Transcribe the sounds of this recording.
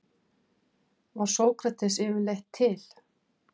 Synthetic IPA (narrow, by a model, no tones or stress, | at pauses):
vaɾ̥soːwkɾat̪ʰɛsɪvʏlejht̪ʰːɪl̥